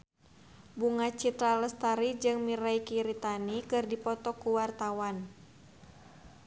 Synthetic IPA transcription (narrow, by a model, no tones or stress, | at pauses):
buŋat͡ʃit̪ɾaləst̪aɾid͡ʒɨŋmiɾaikiɾit̪anikɨrdipɔt̪ɔkuwart̪awan